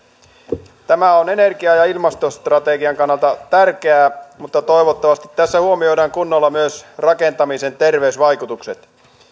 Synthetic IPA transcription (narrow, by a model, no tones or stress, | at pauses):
t̪æmæone̞ne̞rɡiɑjɑilmɑst̪ost̪rɑt̪eɡiɑŋkɑnːɑlt̪ɑt̪ærk̟eæːmut̪ːɑt̪o̞jʋot̪ːɑʋɑst̪i̥t̪ːæsːæhuomio̞jdɑŋkunːolːɑmyøsrɑke̞nt̪ɑmise̞nt̪e̞rʋeysʋɑjkut̪ukset̪